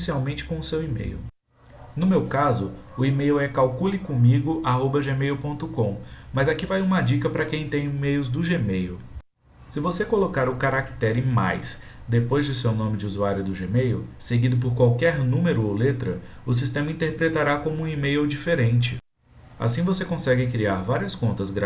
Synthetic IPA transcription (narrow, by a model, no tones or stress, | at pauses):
siawmẽnt͡ʃɪ̥kõʊsewimḛjʊ̰ | nʊmewkazʊʊimejuɛkawkulikõmiɡʊʔaɦobɐʒemejʊpõnt̪ʊkõmɐzakivajũmɐd͡ʒikɐpɾɐkẽj̃t̪ẽj̃imejʊzd̪ʊʒemejʊ | sɪvosekolokaɾʊkaɾakt̪ɛɾẽma̰js | d̪epojzd͡ʒʊsewnõmɪd͡ʒɪuzuaɾjʊd̪ʊʒemejʊseɡid̪ʊp̬oɾkwawkɛɾnũmeɾʊowlet̪ɾɐʊs̬ist̪ẽmɐĩnt̪eɾpɾet̪aɾakõmʊũimejowd͡ʒifeɾẽnt͡ʃɪ | a̰sĩvosekõsɛɡɪkɾiaɾvaɾiɐskõnt̪ɐzɡɾa